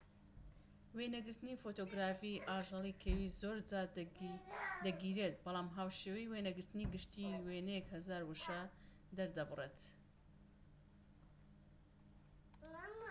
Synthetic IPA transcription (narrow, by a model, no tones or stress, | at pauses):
weːnɐɡɨɾt̪ɨniːfot̪oːɡɾaːfiʔaːʒɑlˠikʰewizoːɾd͡zaː | d̪ɐɡiːɾet̪̚bɑlˠɑːmɦaːwʃewɛjwenɐɡɨɾt̪ɨniːɡɨʃt̪iːweːnɛjɛkhɐzaːɾwuʃa | d̪ɐɾd̪ɐbɨreːt̪